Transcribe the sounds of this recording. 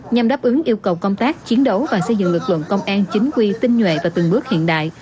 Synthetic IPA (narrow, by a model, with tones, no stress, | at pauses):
ɲa˨˩mɗaː˦˥p̚ʔɨ˨˦ŋʔi˧əwkə˨˩wkə˧wŋ͡mt̪aː˦˥k̚t͡ɕi˨˦ənɗo˨˦wvaː˨˩sə˧jzɨ̰˧˨ŋlɨ˨˩k̚lə̰˧˨nkə˧wŋ͡mʔaː˧nt͡ɕï˨˦ŋ̟kwi˧t̪ï˧ŋ̟ɲwḛ˧˨vaː˨˩t̪ɨ˨˩ŋɓɨ˦˥ək̚hḭ˧˨ənɗa̰ː˧˨j